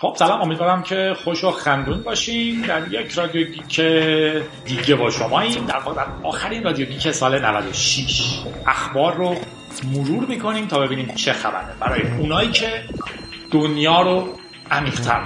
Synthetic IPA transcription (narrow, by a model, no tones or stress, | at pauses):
xo̞b̥sælɒːmomid̪vɒːɾæmcʰe̞xoʃoxænd̪uːnbɒːʃimd̪æɾjecʰɾɒːd̪ijoɟiːcʰe | d̪iːɟebɒːʃo̞mɒːiːnd̪æɾvɒːʁeæzɒːxæɾiːnrɒːd̪ijoɟiːcʰesɒːlenævæ̰d̪o̞ʃiʃæxbɒːɾːo | moɾuːɾmiːkʰo̞niːmt̪ʰɒːbe̞biːniːmt͡ʃʰe̞xæ̰bæ̰ɾebæ̰ɾɒːjeunɒːiːcʰe̞ | d̪̥onjɒːɾo | ʔæmiːʁ̥t̪ʰæ̰ɾ